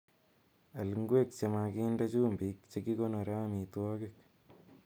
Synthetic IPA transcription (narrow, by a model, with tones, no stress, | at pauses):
a˨lŋɡwe˦k̚t͡ʃe˧ma˧ki˦nda˦t͡ʃuː˦mbi˨˦kt͡ʃe˧ki˦ko˦no˨ɾa˦mi˨twɔ˦kɪk̚